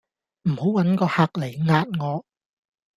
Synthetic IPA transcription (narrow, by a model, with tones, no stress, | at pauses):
m̩˨˩ho˨˥wwɐ˨˥nkɔː˧haː˧k̚le˨˩jŋaː˧t̚ŋɔː˨˧